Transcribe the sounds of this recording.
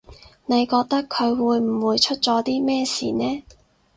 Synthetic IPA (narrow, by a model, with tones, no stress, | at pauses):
ne˨˧jkɔː˧k̚t̪ɐ˥kʰːɵ˨˧ɥwuː˨˧jm̩˨˩wuː˨˧jt͡ʃʰɵ˥t̚t͡sɔː˨˥t̪iː˥mɛː˥sḭː˨˧nɛː˥